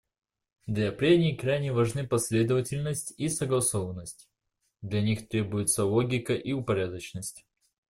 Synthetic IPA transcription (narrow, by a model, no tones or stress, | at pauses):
d̪lʲapɾʲenʲɪjkɾajnʲɪvɐʐnɨpɐsʲlʲe̞d̪əvətʲɪlʲnəsʲtʲisəɡlˠɐsovənːəsʲtʲ | d̪lʲɐnʲixt̪ɾʲe̞bʊjɪt̪səlˠoɡʲɪkəʔiʊpɐɾʲad̪ət͡ɕnəsʲtʲ